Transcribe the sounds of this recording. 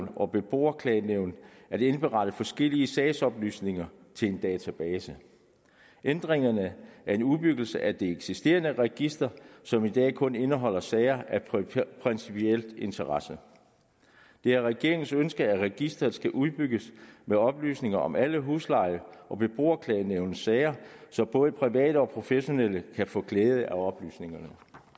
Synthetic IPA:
nɒ̽b̥e̝b̥o̝̰ːɐkʰlɛɪneʊ̰nd̥ | æd̥e̝nb̥e̝ʁɑ̈d̥əfɒ̽sɡ̥el̰iəsɛːsɒ̽b̥ly̰ːsne̝ŋɐ | t͡sʰe̝le̝nd̥ɛːt͡sʰæb̥ɛːsə | end̥ʁeŋɐnəæɐe̝nuðˠb̥yɡ̥l̩səʔæd̥e̝eɡ̥sisd̥e̝̰ːɐnəʁɛɡ̥isd̥ɐsɒ̽mid̥ɛ̰ːkʰɔ̽ne̝nəɦɒ̽l̰ɐsɛːɪɐʔæpʰʁɛnsipʰiel̰d̥e̝nt͡sʰɐʁɑ̈sə | d̥e̝æʁɛɡ̥e̝ɐ̰e̝ŋn̩sønsɡ̥ɐæʁɛɡ̥isd̥ɐð̩ˠsɡ̥æʔuð̞ˠb̥yɡ̥əsmeɒ̽b̥ly̰ːsne̝ŋɐʔɒ̽mʔæləɦuːslɑ̈ɪʔɒ̽b̥e̝b̥ʁo̝̰ːɐkʰlɛːneʊnəsɛɪɐsɒ̽mb̥ɔ̽ːðˠəpʰʁiʋɛ̰ːd̥əɒ̽pʰʁo̝feɕo̝neləkʰæfɔ̰̽ːkʰleːð̞̩ˠəʔæɒ̽b̥ly̰ːsne̝ŋɐnə

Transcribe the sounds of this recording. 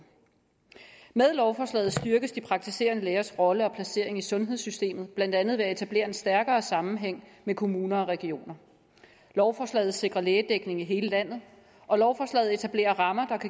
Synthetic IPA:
með̞ˠlɒʊfɒːslɛ̰ːð̩ˠsd̥yɐɡ̥əsd̥ipʰʁɑ̈ɡ̥̚t͡sʰise̝̰ːɐnəleːɐsʁɒ̽ləɒ̽pʰlæse̝ɐe̝ŋisɔ̽nɦeð̞ˠsysd̥e̝̰ːmð̩ˠb̥læn̰d̥ænð̩ˠʋe̝æe̝t͡sʰæb̥le̝̰ːɐe̝nsd̥æɐɡ̥ɐːsɑ̈mm̩ɦeŋ̰mekʰo̝muːnɐɒ̽ʁɛɡ̥io̝̰ːnɐ | lɒʊfɒːslɛ̰ːð̩ˠse̝ɡ̥ʁɐleːd̥eɡ̥ne̝ŋiɦe̝ːləlæn̰ð̩ˠ | ʔɒ̽lɒʊfɒːslɛ̰ːð̩ˠe̝t͡sʰæb̥le̝̰ːɐʁɑ̈mɐd̥ɑ̈kʰæ

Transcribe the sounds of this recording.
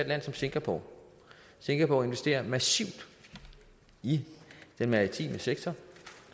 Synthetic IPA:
d̥læn̰sɒ̽mse̝ŋɡ̥æpʰo̰ | se̝ŋɡ̥æpʰo̰e̝nʋe̝sd̥e̝̰ːɐmæsiʊ̰d̥ | id̥enmɑ̈ʁit͡sʰḭːməseɡ̥̚t͡sʰɒ

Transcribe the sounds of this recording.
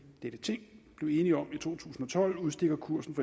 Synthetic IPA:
d̥ed̥ət͡sʰe̝ŋ̰b̥le̝ʊe̝ːniɒ̽mit͡sʰo̝̰ːt͡sʰṵːsn̩ɒ̽t͡sʰɒ̽l̰uðˠsd̥e̝ɡ̥ɐkʰuɐ̰sn̩fɒ

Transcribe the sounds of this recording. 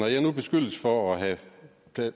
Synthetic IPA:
ɒjɑnub̥e̝sɡ̥øl̰əsfɒɒɦæ | pʰ

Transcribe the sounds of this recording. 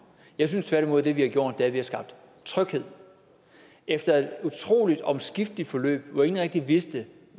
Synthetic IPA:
jɑ̈ɪs̬ynst͡sʰʋæɐɾ̥imo̝ð̞̰ˠd̥e̝ʋihɑ̈ɡjo̝̰d̥d̥e̝æɐʋihɑsɡ̥ɑ̈b̥̚d̥ | t͡sʰʁœɡ̥he̝ð̞̰ˠ | efd̥ɐe̝d̥ut͡sʰʁo̝̰ːlid̥ɒ̽msɡ̥ifd̥lid̥fɒ̽lø̰ːb̥ɒe̝ŋn̩ʁeɡ̥̚d̥iʋesd̥e

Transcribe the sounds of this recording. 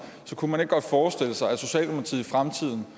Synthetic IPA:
sɒ̽kʰumæneɡ̥əɡ̥ɒ̽d̥fɒːsd̥e̝l̰əsɑ̈ɪæso̝ɕɛ̰ːldemopʰt͡sʰḭðˠifʁamt͡sʰið̞̰ˠn̩

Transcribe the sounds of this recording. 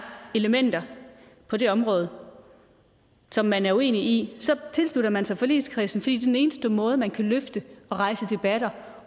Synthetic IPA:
e̝ləmen̰d̥ɐ | pʰɒ̽ɾe̝ɒ̽mʁɔ̽ːð̞̩ˠ | sɒ̽mːænæɐue̝̰ːniisɒ̽t͡sʰe̝lsluɾɐmænsɑɪfɒ̽lḛːðskʰʁḭːsn̩fd̥ḭːde̥ene̝ːnsd̥əmɔ̽ːð̞̩ˠəmænkʰæløfd̥əɒ̽ʁɑ̈ɪsəd̥e̝b̥æɾ̥ɐ

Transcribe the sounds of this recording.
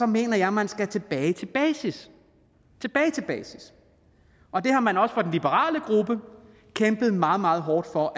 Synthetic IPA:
sɒ̽me̝̰ːnɐjɑ̈ɪmænsɡ̥æt͡sʰe̝b̥ɛːɪt͡sʰe̝b̥ɛːsis | t͡sʰe̝b̥ɛːɪt͡sʰe̝b̥ɛ̰ːsis | ʔɒ̽d̥e̝hɑ̈mænɒ̽sə̥fɒ̽d̥en̩lib̥əʁɑ̰̈ːləɡ̥ʁub̥ə | kʰemb̥ð̩ˠmɑ̈ːð̩ˠmɑ̈ːð̩ˠɦɒːd̥fɒ̽ʔ

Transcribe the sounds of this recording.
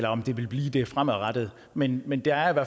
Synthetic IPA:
lɐɒ̽md̥e̝ʋe̝lb̥liːd̥e̝fʁam̰̩ˠʁad̥əð̞̩ˠ | menmend̥e̝æɐiʋæɐ̰

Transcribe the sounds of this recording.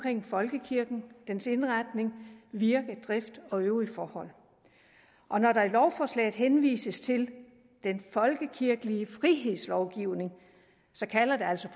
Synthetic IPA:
kʰʁeŋ̰fɒ̽lɡ̥əkʰiɐɡ̥n̩d̥ense̝nʁɑd̥ne̝ŋʋiɐɡ̥ðˠd̥ʁafd̥ɒ̽øʊʁifɒːhɒ̽l̰ | ʔɒ̽nɒɾɑ̈ilɒʊfɒslɛ̰ːɪð̩ˠɦenʋḭːsəst͡sʰe̝l | d̥enfɒ̽lɡ̥əkʰiɐɡ̥əliəfʁiɦe̝ð̰ˠslɒʊɡ̥iʊ̰ne̝ŋ | sɒ̽kʰælɐd̥e̝æl̰sɒ̽pʰ

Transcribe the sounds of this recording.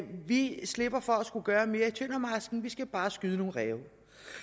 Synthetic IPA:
ʋisle̝b̥ɐfɒ̽æsɡ̥uɡ̥ɶːɐme̝ːɐit͡sʰøn̰ɒmʁɑsɡ̥n̩ʋisɡ̥æb̥ɑ̈ːsɡ̥yð̞ˠəno̝ːl̩ʁɛːʊ

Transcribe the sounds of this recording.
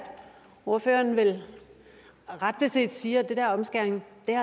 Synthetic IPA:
d̥ | o̝ɐføːɐnʋe̝l | ʁɑ̈d̥̚b̥e̝se̝̰ːd̥siːɐd̥ed̥eɐɒ̽msɡ̥eɐ̰nŋd̥eæ

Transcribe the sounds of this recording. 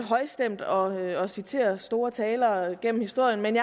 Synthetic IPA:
ɦɒ̽ɪsd̥em̰d̥ɒ̽ɒsit͡sʰe̝̰ːɐsd̥o̝ːɐt͡sʰɛːlɐɡ̥en̰m̩hisd̥o̝ɐ̰jənmenjɑ

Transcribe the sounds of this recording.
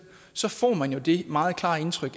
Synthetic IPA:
sɒ̽fɒ̰ːmænjo̝d̥e̝mɑ̈ːð̞̩ˠkʰl̥ɑ̰̈ːe̝nt͡sʰʁœɡ̥

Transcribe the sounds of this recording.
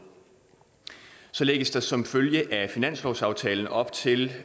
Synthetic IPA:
sɒ̽leɡ̥əsd̥ɑ̈sɒ̽mføljəʔæfinæn̰slɒʊsɑ̈ʊt͡sʰɛːln̩ʔɒ̽b̥t͡sʰe̝l

